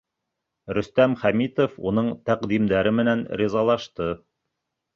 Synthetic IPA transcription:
ɾɵ̆st̪æmχæmit̪ofunɤɴt̪æqd̪imd̪æɾɘmɘ̆nænɾizɑlˠɑʃt̪ɤ

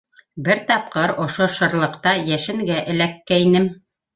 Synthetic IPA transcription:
bɘɾt̪ɑp̚qɤɾŏʃoʃɤ̆ɾlˠɤ̆qt̪ɑjæʃɘ̆ŋɡæʔɘ̆lækːæinɘm

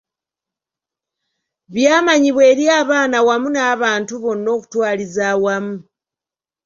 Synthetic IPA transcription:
βjaːmaɲiβwe̞ːɾjaːβaːnawamunaːβaːntuβo̞nːo̞ːku̥twaːlizaːwamu

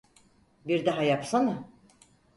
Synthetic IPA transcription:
biɾd̪aɦajapsana

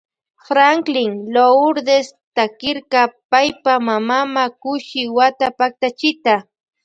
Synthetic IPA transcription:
fɾaŋklɪŋloʊɾd̪est̪akɪɾkapajpamamamakʊʃɪwat̪apak̚t̪at͡ʃɪt̪a

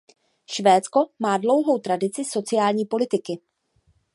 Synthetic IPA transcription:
ʃvɛːt͡sko̞maːdlo̞wɦo̞wt̪ɾadɪt͡sɪso̞t͡sɪjaːlɲiːpo̞lɪt̪ɪkɪ

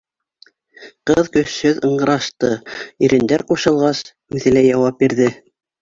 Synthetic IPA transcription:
qɤðkɵ̆sːɵðɤ̆ɴɢɤ̆ɾɑʃt̪ɤiɾʔɘ̆nd̪æɾquʃɤ̆lˠʁɑs | ʉðɘ̆læjɑwɑp̚biɾðɘ

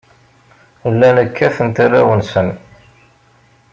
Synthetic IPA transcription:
əlːænəkʰːæθənt̪arːawənsən

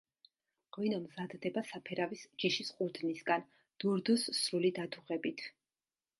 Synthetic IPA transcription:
ʁwinɔmzad̪d̪ɛbasapʰɛɾavisd͡ʒiʃisqʼuɾd̪nisɡan | d̪̥uɾd̪usːɾulid̪at̪ʰuʁɛbit̪ʰ

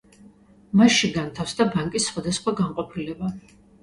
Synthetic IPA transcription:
masʃiɡant̪ʰafsd̪abaŋkʼisːχwad̪asχwaɡanqʼɔpʰilɛba

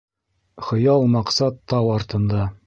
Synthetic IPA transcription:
χɤ̆jɑlˠmɑqsɑt̪ːɑwɑɾt̪ɤ̆nd̪ɑ

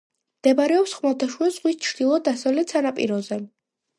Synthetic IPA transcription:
md̪̥ɛbaɾɛɔpsχmalˠt̪ʰaʃwuɛz̥ʁwist͡ʃʰɾd̪̥ilˠɔd̪asavlɛt̪sanapʼḭɾɔzɛ

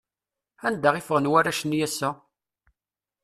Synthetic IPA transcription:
ænd̪aʁifəʁənwæɾæʃənjæsːæ

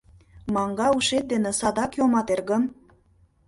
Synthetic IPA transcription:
mɑŋɡɑuʃet̪̚d̪enĕsɑd̪ɑkjomɑt̪erɣəm

